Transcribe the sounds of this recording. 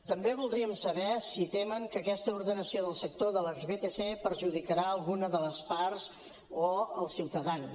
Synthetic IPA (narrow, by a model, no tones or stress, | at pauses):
t̪əmbeβulˠd̪ɾiəmsəβɛsit̪eməŋkəkɛst̪əuɾðənəsioðəlˠsək̚t̪oðələzβet̪esepəɾʒuð̞ikəɾaəlˠɣunəðələspaɾz | oəlˠsiwt̪əðan